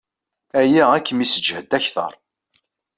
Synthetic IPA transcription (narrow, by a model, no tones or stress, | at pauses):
æjæækːəmisəd͡ʒhəd̪æçθə̰ɾˤ